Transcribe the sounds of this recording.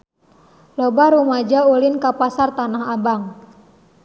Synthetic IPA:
lɔbaɾumad͡ʒaulinkapasart̪anaɦabaŋ

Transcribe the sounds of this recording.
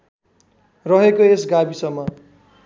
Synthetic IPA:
rʌɦekoesɡabisʌmːʌ

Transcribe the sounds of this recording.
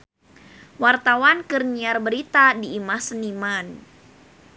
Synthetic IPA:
wart̪awankərɲiarbəɾit̪adiːmahsəniman

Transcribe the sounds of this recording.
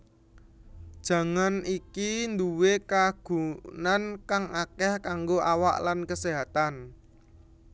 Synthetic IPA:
d̥ʒ̥ä̤ŋanikind̪uwekaɡ̥ṳnankaŋakɛhkaŋɡoʔawa̰ʔlankəseɦat̪an

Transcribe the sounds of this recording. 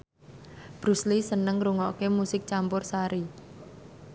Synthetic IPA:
b̥ɾṳslisənəŋɾuŋɔʔkemusɪk̚t͡ʃampʊrsaɾi

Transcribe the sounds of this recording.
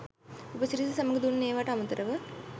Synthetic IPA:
upəsiɾisisɐmɐɡd̪unneːʋaʈɐmɐnt̪ɐɾɐʋə

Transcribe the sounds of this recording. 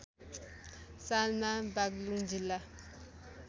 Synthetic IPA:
salmabak̚luŋd͡ʑilːa

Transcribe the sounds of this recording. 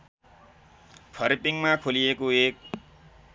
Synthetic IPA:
pʰʌɾipiŋmakʰolijekoek̚

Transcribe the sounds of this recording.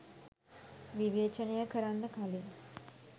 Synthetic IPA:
ʋiʋeːt͡ʃənejəkʰəɾanːəkʰali

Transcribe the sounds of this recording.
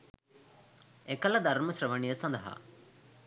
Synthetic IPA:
ekɐlɐd̪ɐɾmɐsɾɐʋɐɳijɐsɐnd̪ɐɦa̰

